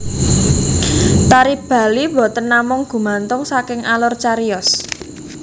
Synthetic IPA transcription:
t̪aɾib̥a̤liwɔ̤t̪ənːamʊŋɡ̥ṳmant̪ʊŋsakɪŋalɔrt͡ʃaɾiɔs

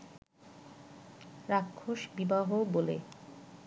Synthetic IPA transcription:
ɾakʰːoʃbibaɦobolḛ

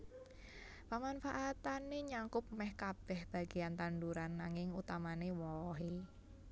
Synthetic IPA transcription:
pəmanfaʔat̪aneɲaŋkʊp̚mɛhkab̥ɛhb̥a̤ɡ̥eant̪anduɾanːaŋɪŋut̪amanewɔɦe

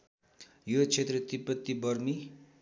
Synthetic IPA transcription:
jot͡sʰet̪rʌt̪ipːʌt̪ːibʌrmi

